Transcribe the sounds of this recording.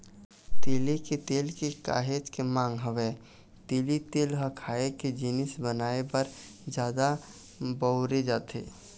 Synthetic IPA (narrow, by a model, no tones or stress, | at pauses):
t̪eːleket̪eːlkeka̰ːɦed͡ʒkemãːŋɡɦəwe | t̪eːlit̪eːlɦəkʰaːeked͡ʒɪnɪsbənaːebəɾ | d͡ʒjaːd̪a | bəʊɾed͡ʒaːt̪ḛː